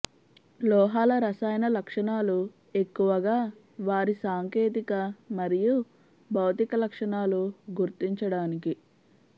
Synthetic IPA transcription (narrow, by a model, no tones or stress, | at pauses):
lɔːɦaːlɐɾɐsaːjnɐlɐkʂɐɳaːlu | e̞kːuʋɐɡaː | ʋaːɾisaːŋkeːt̪̬ikɐmɐɾiju | bʱɐwt̪ikɐlɐkʂɐɳaːluɡuɾt̪iɲt͡ʃɐɽaːniki